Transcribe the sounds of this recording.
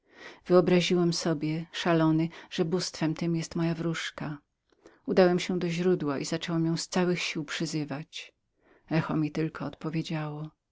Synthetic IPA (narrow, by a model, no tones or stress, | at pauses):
v̥ɘɔbɾaʑiwɛmsɔbʲjɛʂalɔnɘʐ̥ɛbust̪fɛmt̪ɘmjɛst̪mɔjavɾuʂka | ud̪awɛmɕɛd̪ɔʑɾud̪waʔizat͡ʂɛwɛmjɔ̃w̃st̪sawɘxɕiwpʂɘzɘvat͡ɕ | ɛxɔmʲit̪ɘlkʰɔːt̪pɔvʲed͡ʑawɔ